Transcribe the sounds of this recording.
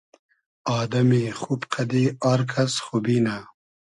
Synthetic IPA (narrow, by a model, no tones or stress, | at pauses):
ɑːd̪ɐmexupqʰad̪iaɾkʰasxubina